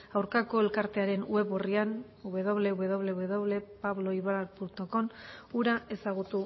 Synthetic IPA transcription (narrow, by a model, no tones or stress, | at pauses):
awɾkako̞e̞lkaɾt̪e̞aɾe̞nue̞βurian | uβe̞ðo̞βleuβe̞ðo̞β̞le̞uβe̞ðo̞βle̞paβlo̞iβaɾalpunt̪o̞ko̞nuɾae̞saɣ̞ut̪u